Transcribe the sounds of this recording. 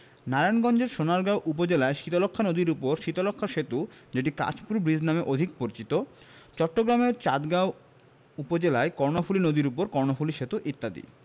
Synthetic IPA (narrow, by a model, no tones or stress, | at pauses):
naɾanɡɔnd͡ʑeɾʃonaɾɡawʔupod͡ʑelaeʃit̪olokʰːanod̪iɾupoɾʃit̪olokʰːaʃet̪ud͡ʑeʈ̬ika̰t͡ɕpuɾbɾid͡ʑnameʔod̪ʱik̚poɾit͡ɕit̪o | t͡ɕɔʈːoɡɾameɾt͡ɕad̪ɡaw | upod͡ʑelaekɔɾnofulinod̪iɾupoɾkɔɾnofuliʃet̪uʔit̪ːad̪ḭ